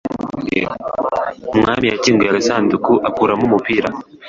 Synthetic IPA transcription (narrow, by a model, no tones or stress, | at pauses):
mŋaːmijaciːŋɡojaɡasaːndukuʔakuɾamumupiɾa